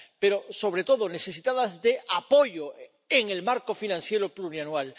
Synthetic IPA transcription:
pe̞ɾo̞so̞β̞ɾe̞t̪o̞ðo̞ne̞θe̞sit̪aðazðe̞ʔapo̞ʝo̞ | eŋe̞lmaɾko̞finãnθje̞ɾo̞pluɾjanwal

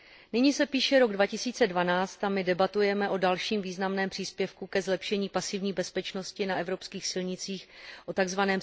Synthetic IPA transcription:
nɪɲiːsɛpiːʃɛɾo̞ɡdvacɪsiːt͡sɛdvanaːt͡st̪amɪdɛbat̪ujɛmɛʔo̞dalʃiːmviːznamnɛːmpr̝̥iːspjɛfkukɛzlɛpʃɛɲiːpasɪvɲiːbɛspɛt͡ʃno̞scɪnaʔɛvɾo̞pskiːxsɪlɲɪt͡siːxʔo̞t̪aɡzvanɛːm

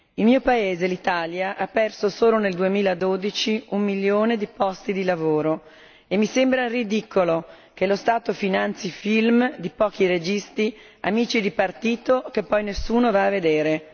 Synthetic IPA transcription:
ilmiːopaeːzelit̪aljaʔapːɛrsosoːloneld̪uemiːlad̪od̪it͡ʃiumːilːjoːned̪ipɔst̪id̪ilavoːɾo | emːisembɾarid̪ikolo | kelost̪aːt̪ofinant̪sifilmd̪ipɔːkiɾed͡ʒist̪i | amiːt͡ʃid̪ipart̪iːt̪okepːɔjnesːuːnovaːved̪eːɾe

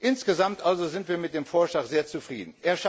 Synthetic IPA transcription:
ʔɪnsɡ̥əzamtʔalzozɪntv̥iːɐmɪt̚d̥eːmfoːɐʃlaːkz̥eːɐt͡sufʁ̥ḭːdn̩ʔeːɐʃ

